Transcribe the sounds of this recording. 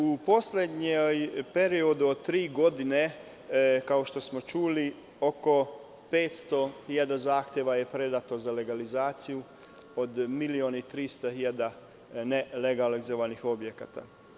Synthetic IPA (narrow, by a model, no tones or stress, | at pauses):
upo̞slʲed̪ɲejpe̞ɾiod̪uod̪t̪ːɾiːɡo̞d̪ine̞ | kaoʃt̪o̞smo̞t͡ʃuːli | oko̞ | pe̞ːt̪st̪o̞hiʎad̪azaːxt̪jeʋaje̞pɾe̞d̪at̪o̞zale̞ɡalizaːt̪siju | od̪milionit̪ɾiːst̪aɦiʎad̪a | neleɡalizoʋanixo̞bjekat̪a̰